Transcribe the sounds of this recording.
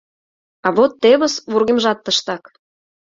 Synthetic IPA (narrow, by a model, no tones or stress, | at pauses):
ɑβot̪ːeβə̆sβurɣemʒɑt̪ːəʃt̪ɑk